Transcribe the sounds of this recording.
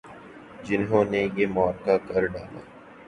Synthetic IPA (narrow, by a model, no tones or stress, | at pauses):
d͡ʒɪnɦõːnejemɔːɾkakɐɾɖaːla̰ː